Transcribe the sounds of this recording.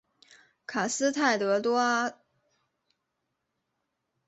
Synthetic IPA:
kʰa˨˩sɹ̩˥t̪ʰa˥˩ɪt̪ɤ˧˥t̪wɔ˥a˥

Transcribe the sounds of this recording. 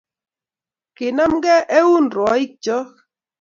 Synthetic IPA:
kɪ˨na˦mɡɛ˦ʔe˦u˦nɾɔ˨˦ɪ˦k̚d͡ʒɔ˦

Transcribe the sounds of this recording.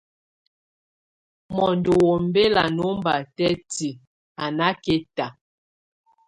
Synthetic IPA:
mɔ˨ndo˨wo˨m˦be˦la˨no˨˦mba˨tɛ˦ti˨ | a˨na˦ke˦ta˨

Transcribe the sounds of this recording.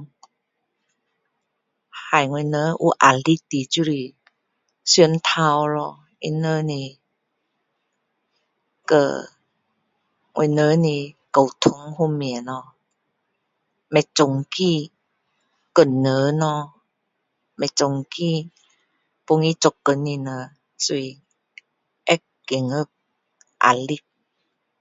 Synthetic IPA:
ha˨˩jŋo˧˨nə˧˦ʔṵ˧˦ʔa̰˨˩li˧˦t̪i˨t͡ɕu˧ɾi˧ | sy˧ə˨nt̪ʰa˧˨wlɔ˧ | ʔḭ˧˥nəː˧˦ni˧˩ | kə̰˧˩ | ŋʔo̰˧˨nəː˧˦ni˧kə˨˩wt̪ʰo˧˦ŋhu˧˨mi˧˨˩nɔ˧˦ | mɛ˧t͡so˧ŋki˧˨ | kə˨˧˩nːə˨˦nɔ˧ | mɛ˧t͡so˨˧˨ŋki˧ | po˧ŋi˧˦t͡so˧˨kːə˧˩nːi˧˨nə˧˦ | su˧j | ʔɛ˦k | kːe˨ŋə˦˧k̚ | ʔa̰˧˨li˧˦k̚

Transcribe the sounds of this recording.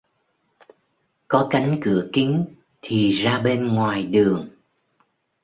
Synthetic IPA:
kɔ˨˦ka˨˦jŋ̟kɨ˧˩əkï˨˦ŋ | t̪ʰi˨˩zaː˧ɓe˧nŋwaː˨˩jɗɨ˨˩əŋ

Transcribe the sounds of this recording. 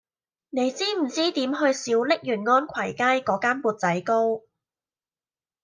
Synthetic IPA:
ne˨˧jt͡siː˥m̩˨˩t͡siː˥t̪iː˨˥mɦɵ˧ɥsiː˨˥wlɪ˥k̚jyː˨˩nŋɔː˥nkʰɐ˨˩jkaː˥jkɔː˨˥kaː˥npuː˨˩t̚t͡sɐ˨˥jko˥w

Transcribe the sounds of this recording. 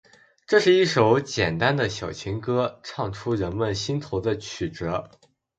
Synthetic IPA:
ʈ͡ʂɤ˥˧ʂɻ̩˥˧i˥˩ʂo˧˥ʊt͡ɕjɛ˨˩nt̪a˥nd̪ə˨ɕjɑ˨˩ʊt͡ɕʰi˧˥ŋkɤ˥ʈ͡ʂʰɑ˥˩ŋʈ͡ʂʰu˥ɻə˧˥nmə˥˧nɕi˥nt̪ʰo˧˥ʊd̪ə˧t͡ɕʰy˨˩ʈ͡ʂɤ˧˥

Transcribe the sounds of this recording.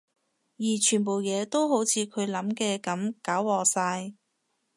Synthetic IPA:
jiː˨˩t͡ʃʰyː˨˩npo˨wjɛː˨˧t̪o˥wɦo˨˥wt͡sʰiː˨˧kʰɵ˨˧ɥlɐ˨˥mkɛː˧kɐ˨˥mkaː˨˥wwɔː˨˩saː˧j

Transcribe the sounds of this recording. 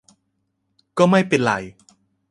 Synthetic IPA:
kɔː˥˩ma˥˩jpe˨˩nla̰˨˩˦j

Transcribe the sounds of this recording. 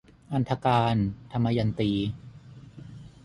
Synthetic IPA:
ʔa˧nt̪ʰa˧kaː˧nt̪ʰa˧mːa˧ja˧nt̪iː˧

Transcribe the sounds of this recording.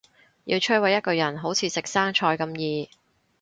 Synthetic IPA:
jḭː˧wt͡ʃʰɵ˥wɐ˨˧jːɐ˥t̚kɵ˧jɐ˨˩nɦo˨˥wt͡sʰiː˨˧sɪ˨k̚saː˥ŋt͡ʃʰɔː˧jkɐ˧mjiː˨˧

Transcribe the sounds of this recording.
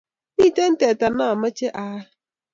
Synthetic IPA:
niː˦˨te˦n̩˦te˨ta˨na˨a˨mə˦t͡ʃe˦ʔa˦

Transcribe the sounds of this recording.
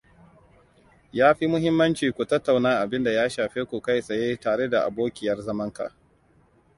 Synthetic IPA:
jaː˦ɸi˦mʊ˦ɦɪ˦mːɐ˦nt͡ʃiː˨kʷu˨tɐ˦tːa˨wnaː˦ʔa˨bɪ˦nda˨jaː˦ʃaː˨ɸeː˦kʷu˨ka˦˨jsʼɐ˨jeː˦taː˨ɽe˦da˨ʔa̰˨boː˦kʲɪ˨jɐ˦rzɐ˦mɐ˦ŋka̰˨ʔ

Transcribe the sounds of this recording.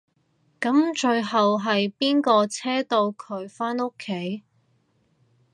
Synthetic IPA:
kɐ˨˥mt͡ʃɵ˧ɥɦɐ˨wɦɐ˨jpiː˥nkɔː˧t͡sʰɛː˥t̪o˧wkʰɵ˨˧˥ɥfaː˥no˥kʰːe˨˥j

